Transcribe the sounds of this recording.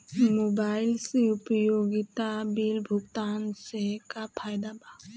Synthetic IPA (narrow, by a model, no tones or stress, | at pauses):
mobaɪlseʊpəjoɡit̪abilbʱʊkt̪ansekapʰajd̪aba